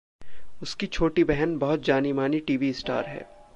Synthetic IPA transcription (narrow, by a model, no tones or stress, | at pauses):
ʊskit͡ʃʰoːʈibɛɦənbɐɦʊt̪̚d͡ʒaːnimaːniʈiːʋiɪsʈa̰ːɾɦɛ̰ː